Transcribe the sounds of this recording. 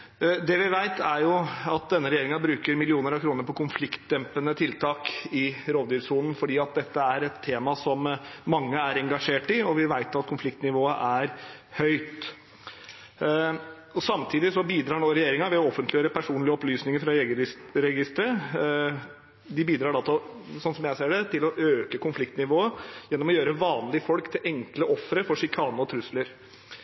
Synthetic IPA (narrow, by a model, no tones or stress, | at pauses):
d̪ɛʋɪʋæɪt̪ʰæɾjʊɑt̪̚d̪ɛnːəɾɛjeːɾɪŋɑbɾʉːkəɾmɪlɪuːnəɾɑkʰɾuːnəɾpɔkʊnflɪkt̪̚d̪ɛmpənət̪ʰɪlt̪ʰɑːkɪɾoːd̪yːɾsuːln̩fɔɖiːɑt̪̚d̪ɛt̪ːəæɾɛt̪ʰːeːmɑsɔmːɑŋːəæɾɛŋɡɑʂeːʈɪɔʋɪʋæɪt̪ɑt̪̚kʰʊnflɪkt̪nɪʋoːəʔæɾhœʏt̪ | ɔsɑmt̪ʰiːd̪ɪsɔbiːd̪ɾɑːɳoːɾɛjeːɾɪŋɑʋɛɔɔfːənt̪lɪøːɾəpʰæʂuːnlɪəɔplyːsnɪŋəɾfɾɑɛɡɾɛɡɪst̪ɾə | d̪ɪbiːd̪ɾɑːɖɑːt̪ʰɪsɔnsɔmjæɪseːɖɛt̪ʰɪlɔʔøːkəkʊnflɪkt̪nɪʋoːəjɛnːɔmɔjøːɾəʋɑːnlɪfɔlkt̪ʰɪlʔɛŋkləʔɔfːɾəfɔʂɪkʰɑːnəɔt̪ʰɾʉsləɾ